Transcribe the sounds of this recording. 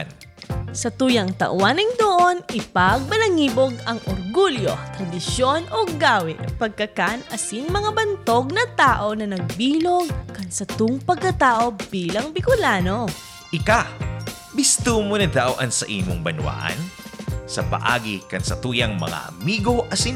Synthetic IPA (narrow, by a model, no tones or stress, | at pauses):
n | sɐt̪uːjɐŋt̪ɐ̰ʔwanɪŋd̪oʔonɪpaɡ̚mɐlɐŋiːboɡɐŋʔoɾɡuljo̞t̪ɾɐd̪ɪʃjonʔoɡaːwɪt̪pɐɡ̚kɐkanɐsiŋmɐŋabɐnt̪o̞ɡ̚nɐt̪aːʔo̞nɐnɐɡ̚biːloɡ̚kɐnsɐt̪ʊŋpɐɡ̚kːɐt̪aːʔo̞biːlɐŋbɪkʊlaːno̞ | ʔɪka | bɪst̪uːmonɐd̪awʔɐnsɐʔiːmo̰ŋbɐnwa̰ːʔɐ̰nsɐpɐ̰ʔa̰ːɡikɐnsɐt̪uːjɐŋmɐ̰ŋa̰ʔɐmiːɡo̞ʔɐsin